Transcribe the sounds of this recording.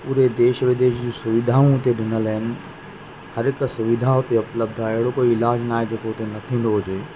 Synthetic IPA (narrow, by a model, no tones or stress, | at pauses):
ʊɾed̪eːʃəʋɪd̪eːʃd͡ʑĩːsʊʋɪd̪ʱaːũʊt̪eɗɪnəlɦɪnɪ̆ | hɐɾɪksʊʋɪd̪ʱaʊt̪eʊpləb̚d̪ʱaːɪɦɪɽokoːiɪlaːd͡ʑnaːɦed͡ʑeːkoʊt̪enɐt̪ʰĩːnd̪oɦʊd͡ʑeː